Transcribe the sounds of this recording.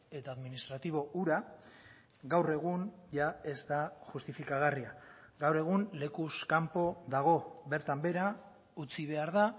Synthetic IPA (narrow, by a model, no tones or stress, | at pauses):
e̞t̪aːðminist̪ɾat̪iβ̞o̞uɾa | ɡawre̞ɣ̞unʝae̞zt̪aʝust̪ifikaɣariaɡawre̞ɣ̞unle̞kuskampo̞ðaɣ̞o̞be̞ɾt̪ambe̞ɾa | ut͡siβ̞e̞aɾða